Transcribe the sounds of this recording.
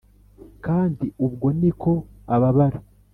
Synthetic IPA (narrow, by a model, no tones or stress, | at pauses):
kaːndiubɡo̞nikʰo̞aβaβaɾa